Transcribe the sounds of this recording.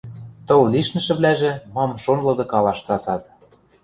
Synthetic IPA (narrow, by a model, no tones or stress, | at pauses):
t̪ɤ̆lwliʃnɘ̆ʃɘ̆βlæʒĕmɑmʃonlɤ̆d̪ɤ̆kɑlɑʃt͡sɑsɑt̪